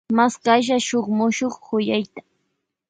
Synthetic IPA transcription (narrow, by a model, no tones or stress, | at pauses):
maskaʃ̬aʃoχmʊʃoχhʊjajt̪ḁ